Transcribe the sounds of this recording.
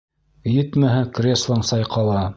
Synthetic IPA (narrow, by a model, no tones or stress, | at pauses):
jɘ̆t̪mæɦɘkrʲeslˠɑɴsɑjqʰɑlˠɑ